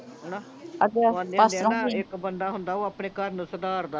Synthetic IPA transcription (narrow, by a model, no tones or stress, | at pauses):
ɦɛnaː | əɡeãnd̪ead̪eiɪkbənd̪aːɦʊnd̪aːoːaːpɳeːkəɾnũːsəd̪aːɾd̪aː